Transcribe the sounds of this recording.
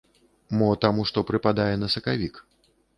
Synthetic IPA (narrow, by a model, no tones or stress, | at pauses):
mɔt̪amuʂt̪ɔpɾɨpad̪ajɛnɐsɐkavʲik